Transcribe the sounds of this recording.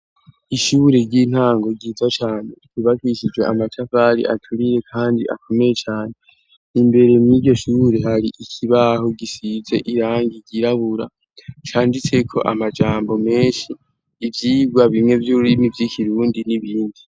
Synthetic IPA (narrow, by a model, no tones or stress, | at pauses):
iʃuːɾeɾɟin̥aːŋɡo̞ɡiːzwat͡ʃaːne̞kiβakiʃid͡ʒwe̞̰ʔamat͡ʃafaɾḭʔa̰tʰuɾiɾe̞kʰaːndḭʔa̰kʰo̞me̞je̞t͡ʃaːne̞ | imbe̞ɾe̞miɟo̞ʃuːɾe̞haɾiʔikʰiβaɦo̞ɡisize̞ʔiɾaːŋɡiɟiɾaβuɾa | t͡ʃaːndit͡se̞kʰo̞̰ʔamad͡ʒaːmbo̞me̞ːnʃiː | vjiːbɡwaβimŋe̞vjuulimivjikʰiɾuːndiniβiːndi